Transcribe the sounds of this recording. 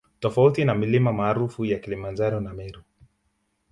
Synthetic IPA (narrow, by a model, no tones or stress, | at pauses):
tɔfautinamilimamaːɾufujakilimand͡ʒaɾɔnamɛɾu